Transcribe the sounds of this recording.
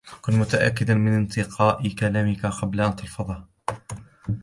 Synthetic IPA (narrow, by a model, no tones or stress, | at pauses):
t̪ḁkʊnmʊt̪aʔa̰kːɪd̪anmɪnɪnt̪ɪqʰɑːʔɪkalaːmɪkaqɑblaʔant̪ɑlfɑðˤɑː